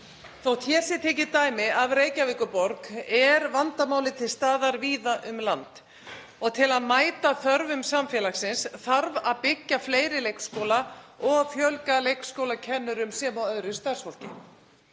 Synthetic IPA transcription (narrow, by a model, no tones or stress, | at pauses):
θowt̪ʰjɛːsɪt̪ʰɛːc̬ɪt̪aːjmɪavreːjcavɪːkʏpɔɾkɛɾvant̪amaːwlɪt̪ʰɪlst̪aːðaɾviːðaʔʏmlant̪ | ɔɣt̪ʰɪlaðmaːjt̪aθœɾvʏmsamfjɛlaxsɪnsθaɾvaðpɪcːafleːjɾɪlejkskowlaɔɣfjœlkalejkskowlacʰɛnːʏɾʏmsɛmawœðɾʏst̪asfɔl̥cɪ̰